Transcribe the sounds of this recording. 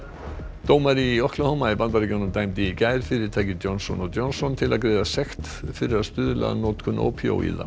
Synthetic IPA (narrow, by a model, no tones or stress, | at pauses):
t̪oːwmaɾiɔhklahowmaipant̪aɾcɔwnʏmt̪aːjmt̪ɪicaːjɾ̥fɪɾɪ̥t̪ʰaːjcɪt̪jownsɔ̰nɔɣt̪jɔwnsɔnt̪ʰɪlaðkɾeːjðasɛxt̪ | fɪɾɪɾaðst̪ʏːðʏlɛ̰ɣa̰noːwt̪kʰʏnʔo̰wpʰjo̰wʔḭða̰